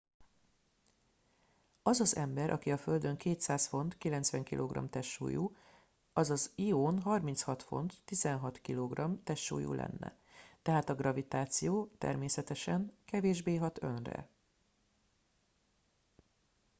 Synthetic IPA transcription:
ɒzɒzɛmbɛɾʔɒ̰kiɒføld̪ø̞ŋkeːt̪saːsfo̞nt̪kilɛn̪t̪svʋɛŋkilʔoːɡrɒ̰mt̪ɛʃːṵːju | ɒzɒzioːnɦɒrminshɒt̪fo̞̰nt̪ːizɛnɦɒt̪kiloɡrɒmt̪ɛʃːṵːjṵlʔɛ̰nːɛ̰ | t̪ɛɦaːt̪ɒɡrɒvit̪aːt̪sijoːt̪ɛ̰rmeːsɛt̪ɛʃɛŋkɛveːʒbeːɦɒt̪ø̞nrɛ̰

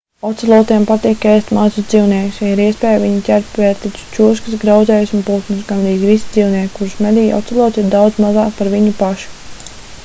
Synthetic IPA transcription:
ɔt̪sɛlˠɔt̪iɛmpat̪iːkːɛːst̪mazʊsd̪ziːwniɛku̥sjiɾiɛspɛːjviɲitʲæɾp̪ʲvɛːɾt̪it̪ʲu̥t͡ʃus̬kəsɡɾaw̪zɛːjsunpuːt̪musɡanɾiːzʲʋisid̪ziːwniɛkkuɾsmɛd̪iːjɔ̰t̪sɛlˠɔt̪ʲiɾd̪awd̪zmazɑːkpaɾʋiɲupaʃu̥

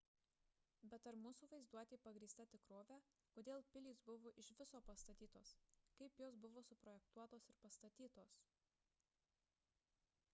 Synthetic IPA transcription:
bʲɛt̪ɐɾmuːsuːʋɐɪzd̪uɔt̪ʲeːpɐɡɾʲiːst̪ɐt̪ʲɪkɾoːʋʲæː | koːd̪ʲeːlˠpʲɪlʲiːsbʊʋoːʔɪʃʋʲɪsoːpɐst̪ɐt̪ʲiːt̪oːskɐɪpjoːsbʊʋoːsʊpɾɔjɛk̚t̪uɔt̪oːsɪɾpɐst̪ɐt̪ʲiːt̪oːs

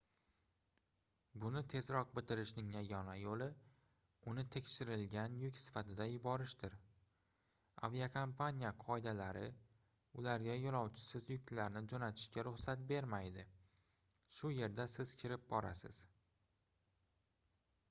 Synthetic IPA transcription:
bʊnɪt̪ʰe̞zɾɒq̚bɪt̪ɪɾɪʃnɪŋjaɡʲɒnajolɪ | ʊnɪt̪ʰe̞kʲʃɪɾɪlɡʲanjʊkʲsɪ̥fat̪ʰɪd̪ajʊbɒɾɪʃt̪ɪɾ | a̰viakʰompʰanʲijaqʰɒjɪd̪alaɾɪ̰ | ʊlaɾɡʲajolˠɒwt͡ʃʰɪ̥sɪzjʊk̚ʲt̪laɾnɪd͡ʒonat̪ʰɪ̥ʃkʲaɾʊχsat̪̚be̞ɾmajd̪ɪ | ʃʊje̞ɾd̪asɪz̥kʲʰɪɾɪp̚bɒɾa̰sɪz̥

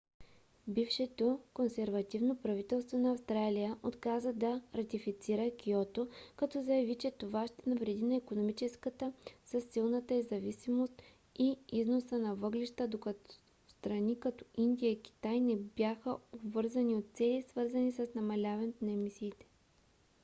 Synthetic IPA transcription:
bifʃɛt̪okonsɛɾvɐt̪ivnopɾɐvit̪ɛlˠst̪vonɐːfst̪ɾalijəʔot̪kazəd̪ɐɾɐt̪ifit̪siɾəkʲiɔt̪okɐt̪ɔzɐjɐvit͡ʃɛt̪ovaʃt̪ɛnɐvɾɛd̪inɐikonomit͡ʃɛskət̪əsəsːilˠnət̪əizɐvisimost̪ | iiznosənɐvɤɡliʃt̪əd̪okɐt̪ | st̪ɾɐnikɐt̪ɔ̥ʔind̪ijəiki̥t̪ajnɛbjaxəobvɤɾzɐniot̪̚t̪sɛlisvɤɾzɐnisəsnɐmɐlʲavɐnɛt̪nɐɛmisiːt̪ɛ̥

